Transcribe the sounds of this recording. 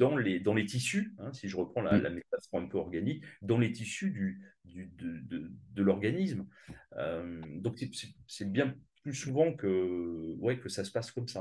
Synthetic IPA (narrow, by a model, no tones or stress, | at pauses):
d̪̥ɑ̃led̪ɑ̃let̪isyɛ̃siʒəʁəpχɑ̃la̰lʔa̰metasɔ̃ɛ̃pøɔʁɡanikd̪ɑ̃let̪isyd̪yd̪yd̪əd̪əd̪əlɔʁɡanismømd̪ɔ̃ksɛsɛsɛbjɛ̃plysuvɑ̃kəwɛkəsasə̥paskɔmsa